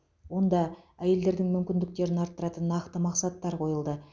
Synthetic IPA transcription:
wo̞nd̪ɑæje̞ld̪e̞ɾd̪ɪŋmʏmkʲɪnd̪ɪk̚t̪e̞ɾɪnɑɾt̪ːəɾɑt̪ənːɑqt̪əmɑqsɑt̪ːɑɾqʰo̞jəlˠd̪ə

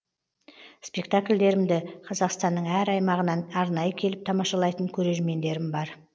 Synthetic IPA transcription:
spʲe̞kt̪akʲlʲd̪e̞ɾɪmd̪ɪqʰɑzɑqst̪ɑnːəɴæɾɑjmɑʁənɑnɑɾnɑjəkʲʰe̞lɪp̚t̪ʰɑmɑʃɑlˠɑjt̪əŋkʲʰɵɾe̞ʒme̞nd̪e̞ɾɪmbɑɾ

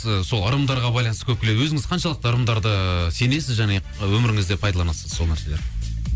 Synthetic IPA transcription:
əso̞lˠɑɾəmd̪ɑɾʁɑbɑjlˠɑnst̪ə̥kʰʲɵp̚kʲee̞d̪wɵzɪŋɪzqʰɑnʃɑlˠəq̚t̪ɑɾəmd̪ɑɾd̪əse̞ne̞sɪzʒæne̞ | wɵmɪɾɪŋɪzd̪e̞pʰɑjd̪ɑlˠɑnɑsəz̥so̞lˠnæɾse̞leɾ

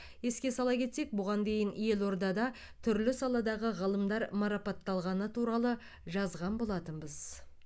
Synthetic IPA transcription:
je̞skʲe̞sɑlˠɑkʲʰe̞t̪se̞k̚bʊʁɑnd̪e̞jɪnje̞lo̞ɾd̪ɑd̪ɑ | t̪ʰʏɾlɪsɑlˠɑd̪ɑʁəʁəlˠəmd̪ɑɾmɑɾɑpɑt̪ːɑlˠʁɑnət̪ʰuɾɑlˠə | ʒɑzʁɑnbo̞lˠɑt̪əmbəz

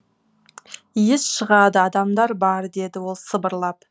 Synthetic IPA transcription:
ijɪsʃəʁɑd̪əɑd̪ɑmd̪ɑɾbɑɾd̪e̞d̪ɪwo̞lˠsəbəɾlˠɑp̚

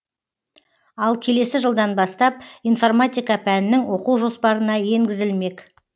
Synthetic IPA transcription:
ɑlˠkʲʰe̞le̞sɪʒəlˠd̪ɑnbɑst̪ɑp̚ijnfo̞rmat̪ʲijkɑpʰænɪnɪŋwo̞quwʒo̞spɑɾənɑje̞ŋɡʲɪzɪlme̞k

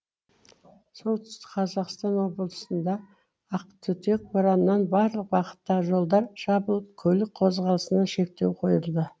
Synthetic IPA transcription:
so̞lˠt̪ʰʏ̥st̪ɪ̥kqʰɑzɑqst̪ɑnwo̞b̪əlˠəsənd̪ɑ | ɑq̚t̪ʰʏt̪ek̚bʊɾɑnənːɑnbɑɾlˠəq̚bɑqə̥t̪ːɑʁəʒo̞lˠd̪ɑɾʒ̥ɑbəlˠəp̚kʲʰɵlɪk̚qʰo̞zʁɑlˠəsənɑʃe̞k̚t̪e̞wqʰo̞jəlˠd̪ə

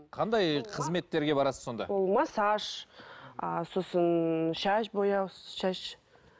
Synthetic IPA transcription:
qʰɑnd̪ɑjqʰəzme̞t̪ːe̞ɾɡʲe̞bɑɾɑsəzːo̞nd̪ɑ̰wolˠmɑsɑʃ | so̞sənʃaʃbojɑwsʃaʃ

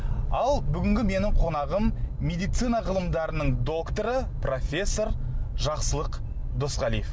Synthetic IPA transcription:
ɑlˠbʏɡʲɪŋɡʲɪme̞nɪɴqʰo̞nɑʁəmːe̞d̪ijt̪sɨjnɑʁəlˠəmd̪ɑɾənəɴd̪o̞kt̪oɾəpro̞fʲe̞sːo̞ɾ | ʒɑqsəlˠəq | d̪o̞sʁɑlijef

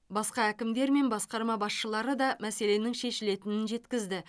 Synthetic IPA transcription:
bɑsqɑækʲɪmd̪e̞ɾme̞nbɑsqɑɾmɑbɑsʃəlˠɑɾəd̪ɑmæse̞le̞nɪŋʃe̞ʃɪle̞t̪ɪnɪnʒe̞t̪kʲɪzd̪ɪ

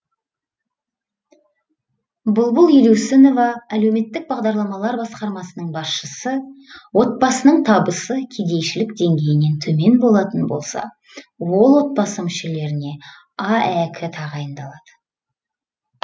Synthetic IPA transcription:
bʊlˠbʊlˠjeluwsɪno̞vɑæle̞wme̞t̪ːɪk̚bɑʁd̪ɑɾlˠɑmɑlˠɑɾbɑsqɑɾmɑsənəɴbɑsʃəsəwo̞t̪̚bɑsənəɴt̪ʰɑbəsəkʲʰed̪e̞jʃɪlɪkd̪e̞ŋɡʲe̞jɪne̞nt̪ʰɵme̞nbo̞lˠɑt̪ənbo̞̰lˠsɑ̰ | wo̞lˠwot̪̚bɑsəmʏʃe̞le̞ɾɪne̞ | ɑækʲʰɪt̪ʰɑʁɑjənd̪ɑlˠɑd̪̥ə̥

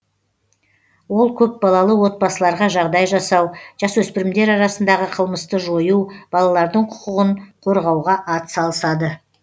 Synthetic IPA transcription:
wo̞lˠkʲʰɵp̚bɑlˠɑlˠəwo̞t̪̚bɑsəlˠɑɾʁɑʒɑʁd̪ɑjʒɑsɑwʒ̥ɑswɵspɪɾɪmd̪e̞ɾɑɾɑsənd̪ɑʁəqʰəlˠməst̪əʒo̞jub̥ɑlˠɑlˠɑɾd̪əɴqʰʊ̥qəʁəɴqʰoɾʁɑwʁɑʔɑt̪sɑlˠəsɑd̪ə

